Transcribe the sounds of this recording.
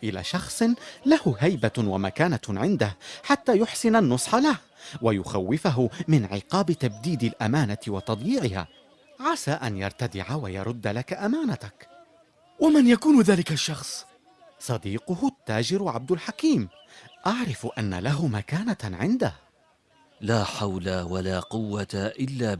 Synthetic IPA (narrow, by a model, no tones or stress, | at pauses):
ʔɪla̰ːʃɑxsˤlahʊɦajbawamakaːnaʕɪnd̪ahħat̪ːaːjʊħsɪnanːʊsˤħɑlah | wajʊxawːɪfaɦʊmɪnʕɪ̰qɑːbɪt̪ab̚d̪iːd̪ɪlʔamaːnat̪ɪwɑt̪ɑd̪ˤjiːʕɪha̰ː | ʕasaːʔanjɑ̰ɾˤt̪ad̪ɪ̰ʕawajɑ̰ɾˤʊd̪ːalakaʔamaːnat̪ak | wamanjakuːnðaːlɪkaʃːɑxsˤ | sˤɑd̪iːqʊhʊt̪ːaːd͡ʒɪɾʕab̚d̪alħakiːm | ʔaʕɾɪfʔanːa̰laɦʊmakaːnaʕɪnd̪ah | laːħawlawalaːqʊwːat̪aʔɪlːaː